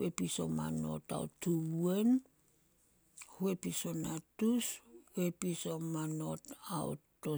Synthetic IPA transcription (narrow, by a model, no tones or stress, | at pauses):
episo̞̰ma̰no̞̰ta̰o̰tuen | hue̞piso̞natushue̞pisomano̞tao̰to